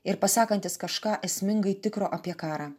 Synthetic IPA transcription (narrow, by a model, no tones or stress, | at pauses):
ɪɾpɐsɑːkɐnʲt̪ʲɪskɐʃkɑːʔɛsʲmʲɪŋɡɐɪt̪ʲɪkɾoːʔɐpʲiɛkɑːɾɑː